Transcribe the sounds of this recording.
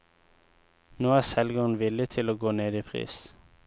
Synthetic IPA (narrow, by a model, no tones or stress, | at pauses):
noːæːsɛlɡəʁn̩ʋɪlət̪ʰɪloːɡoːneːd̪iːpʰʁḭːs